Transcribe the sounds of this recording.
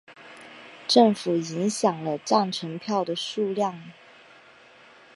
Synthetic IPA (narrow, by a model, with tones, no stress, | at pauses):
ʈ͡ʂɤ˥˩ŋfu˨˩i˧˥ŋɕjɑ˨˩ŋlə˦ʈ͡ʂɑ˥˩ŋʈ͡ʂʰɤ˧˥ŋpʰjɑ˥˩ʊd̪ə˩ʂu˥˧ljɑ˥˩ŋ